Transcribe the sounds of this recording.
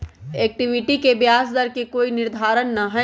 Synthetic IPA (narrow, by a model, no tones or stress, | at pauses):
ek̚ʈiʋɪʈikebjaːsd̪əɾkekoːinɪɾd̪ʱaːɾənːɐɦɛ